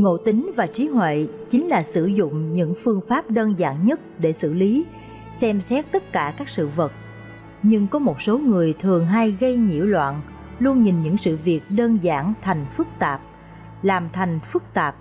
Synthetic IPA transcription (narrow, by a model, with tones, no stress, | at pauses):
ŋo̰˧˨t̪ï˨˦ŋ̟vaː˨˩t͡ɕi˨˦ɦwḛ˧˨t͡ɕi˨˦ŋ̟laː˨˩sɨ̰˧˩zʊ̰˧˨ŋ͡mɲɨ̰˧˥ŋfɨ˧əŋfaː˦˥p̚ɗəː˧nza̰ː˧˨nɲə˦˥t̚ɗe˧˩sɨ̰˧˨li˨˦ | sɛ˧msɛ˦˥t̚t̪ə˦˥t̚kaː˧˩kaː˦˥k̚sɨ̰˧˨və˨˩k̚ | ɲɨ˧ŋkɔ˨˦mo˨˩t̚so˨˦ŋɨ˨˩əjt̪ʰɨ˨˩əŋɦa˧jɣə˧jɲḭ˧˩˥əwlwa̰ː˧˨n | lu˧ənɲi˨˩nɲɨ̰˧˥ŋsɨ̰˧˨vi˨˩ək̚ɗəː˧nza̰ː˧˩nt̪ʰa˨˩jŋ̟fɨ˦˥k̚t̪aː˨˩p̚ | laː˨˩mt̪ʰa˨˩jŋ̟fɨ˦˥k̚t̪aː˨˩p̚